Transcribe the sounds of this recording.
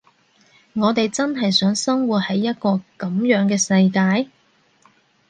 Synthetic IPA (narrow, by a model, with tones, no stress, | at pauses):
ŋɔː˨˧t̪e˨jt͡sɐ˥nɦɐ˨jsœː˨˥ŋsɐ˥ŋwuː˨˩t̚hɐ˨˥jːɐ˥t̚kɔː˧kɐ˨˥˦mjœː˨˥ŋkɛː˧sɐ˧jkaː˧j